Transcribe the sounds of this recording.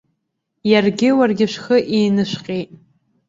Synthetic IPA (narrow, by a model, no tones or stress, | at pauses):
jarɡʲɪwarɡʲɪʂʷxəʔeːnɨʃʷqʲʼejtʼ